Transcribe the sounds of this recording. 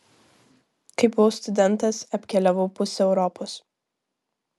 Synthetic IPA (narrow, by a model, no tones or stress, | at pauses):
kɐɪbʊʋoːst̪ʊd̪ʲɛnˑt̪ɐsɐpʲkʲɛlʲɛʋɐʊpʊsʲɛʊɾɔpos